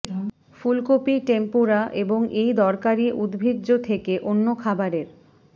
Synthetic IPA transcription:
fulkopiʈempuɾaʔeboŋejd̪ɔɾkaɾiʔud̪bʱidd͡ʑot̪ʰekeʔonːokʰabaɾeɾ

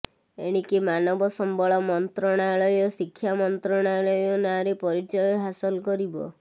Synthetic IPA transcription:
ḛɽ̃ikimanɔbɔsɔmbɔɭɔmɔnt̪ɾɔɽ̃aɭɔjɔsikʰːjamɔnt̪ɾɔɽ̃aɭɔjɔnaɾepɔɾit͡ʃɔjɔɦasɔlɔkɔɾibɔ̰

